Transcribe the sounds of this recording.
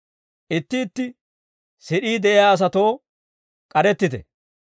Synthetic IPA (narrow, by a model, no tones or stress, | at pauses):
ʔɪt̪ːɪːt̪ːɪ | sɪɗiːd̪ɛʔɪjaːɐs̬ɐt̪o̞ː | kʼɐɾɛt̪ːɪt̪ɛ̰